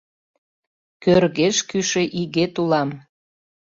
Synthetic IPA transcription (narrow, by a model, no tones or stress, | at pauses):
kørɣeʃkyʃeʔiɣet̪ulɑm